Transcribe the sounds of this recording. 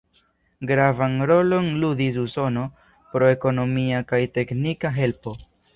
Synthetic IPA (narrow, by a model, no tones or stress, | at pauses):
ɡɾavanɾo̞lo̞nludis̬uso̞no̞ | pɾo̞e̞ko̞no̞miakajte̞knikaɦe̞lpo̞